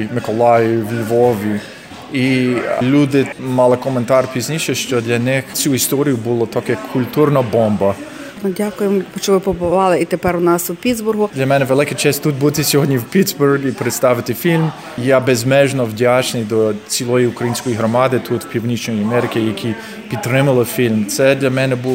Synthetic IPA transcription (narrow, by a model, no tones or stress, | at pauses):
mɪkɔlˠɑjwlʲʋɔʋʲi | ilʲud̪ɪmɑlˠɪkɔment̪ɑrpʲizʲnʲiʃɛʃt͡ʃɔd̪lʲɐnɪxt͡sʲuist̪ɔɾʲijʊbulˠɔt̪ɔkkʰːʊlʲt̪urnɐbɔmbɐ | nʊdʲakʊjempt͡ʃɔʋɪpɔbʊʋɑlˠɪit̪epɛɾʊnɑsupʲid̪zbʊrɦʊd̪lʲɐmɛnɛʋelˠɪkɛt͡ʃɛsʲtt̪ːut̪̚but̪ɪsʲɔɦɔdʲnʲɲʲiwpʲit̪zbʊrɡipɾet̪st̪ɑʋɪt̪ɪfʲilʲm | jabɛzmɛʒnɔwdʲat͡ʃnɪjd̪ɔt͡sʲilˠɔjiukɾɐjinʲsʲkɔjiɦɾɔmɑd̪ɪt̪ʰut̪w̥pʲiwnʲit͡ʃnɔjiɐmɛɾɪkʲɪjɐkʲʰi | pʲid̪̚t̪ːɾɪmɐlˠɪfʲilʲmt̪sɛd̪lʲɐmɛnɛbu